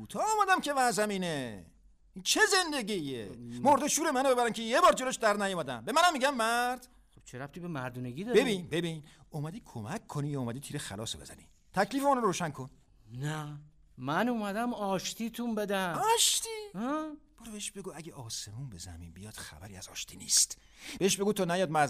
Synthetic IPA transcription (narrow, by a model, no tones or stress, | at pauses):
ut̪ʰɒːɒːmæd̪æmcʰe̞væzæmiːne | int͡ʃʰeze̞nd̪eɟiemoɾd̪eʃuːɾemænobe̞bæɾæmcʰejebɒːɾd͡ʒeloʃd̪æɾd̪næjomæd̪æmbe̞mænæmːiɟæmːæɾd̪̥ | χob̥t͡ʃʰeɾæft̪ʰibemæɾd̪uneɡiːd̪ɒbebinbe̞binumæd̪iːkʰomækʰːonijɒɔːmæd̪iːt̪ʰiːɾexæ̰lɒ̰ːsobe̞zæ̰nḭ | t̪ʰækʰliːfemunoɾɾoːʃænkʰon | næ | mænumæd̪æmɒːʃt̪ʰit̪ʰumbed̪æɒʃt̪i | b̥ɒːɾbeheʃbe̞ɡuːæɟʲeʔɒːsemuːnbe̞zæ̰mḭnbijɒːd̪̥xæ̰bæɾiːæz̥ɒ̰ːʃt̪ʰiːnḭːst̪ | b̥eeʃbe̞ɡuːt̪ʰonæjɒːd̪̚mæ